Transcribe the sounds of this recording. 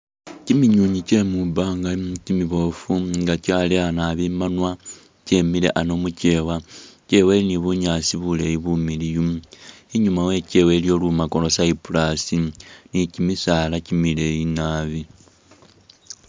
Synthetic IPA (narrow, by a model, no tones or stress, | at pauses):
cimiɲuːɲice̞mubaŋɡacimiβo̞fuŋɡacaːleanaβimanwa | ce̞mile̞̰ʔano̞muce̞ːwaceːweliniβuɲaːsiβule̞jiβumilijuiɲumawe̞ce̞we̞ːljo̞lumako̞lo̞saipulasinicimisaːlacimile̞jinaːβi